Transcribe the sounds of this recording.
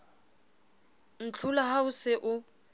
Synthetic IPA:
n̩t͡ɬʰulaɦaʊsɪʔʊ

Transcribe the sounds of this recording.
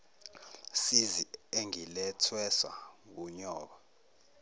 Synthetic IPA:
sizieŋilɛtʰwɛswa̰k̬uɲɔːɓa

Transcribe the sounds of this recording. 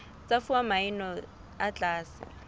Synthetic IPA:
t͡safuamainɔ | at͡ɬʼaːsɪ̥

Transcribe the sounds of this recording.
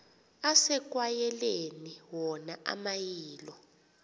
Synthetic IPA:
asɛk̬ʼwajɛleniwɔnaʔa̰majiːlɔ

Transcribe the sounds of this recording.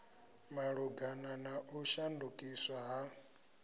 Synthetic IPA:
maɺuɡananaʔuʃandukʼiswaɦa

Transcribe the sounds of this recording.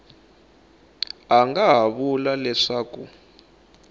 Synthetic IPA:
aŋɡaɦaβulalɛʂaːkʼu

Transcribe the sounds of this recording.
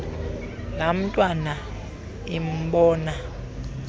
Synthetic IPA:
lam̩tʼwana | im̩ɓɔːna

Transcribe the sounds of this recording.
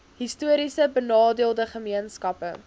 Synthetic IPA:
ɦistuəɾisəbənɑːdiəlˠdəχəmiənskɐpə̰

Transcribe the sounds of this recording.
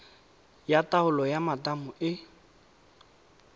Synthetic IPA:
jatahʊlɔjamatamʊʔɪ

